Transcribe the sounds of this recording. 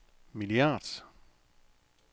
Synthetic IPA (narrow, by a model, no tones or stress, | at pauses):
miliɑd̥s